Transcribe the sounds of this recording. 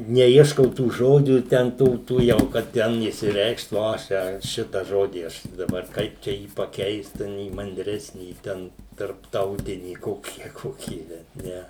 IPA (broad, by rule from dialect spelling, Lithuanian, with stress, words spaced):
nʲɛˈiɛʃkɐʊ tuː ˈʒoːd͡ʒʲuː ˈtʲɛn ˈtuː tuː ˈjɛʊ kɐt ˈtʲɛn ɪʃʲsʲɪˈrʲɛɪkʃt ˈʋoː ɐʃ ˈt͡ʃʲɛ ˈʃʲɪtɐ ˈʒoːdʲiː ˈɐʃ dɐˈbɐr ˈkɐɪp t͡ʃʲɛ ˈjiː pɐˈkʲɛɪst ˈtʲɛn iː mɐnʲˈdʲrʲæːsʲnʲiː ˈtʲɛn tɐrpˈtɐʊtʲɪnʲiː ˈkoːkʲiː ɐ ˈkoːkʲiː bʲɛt ˈnʲɛ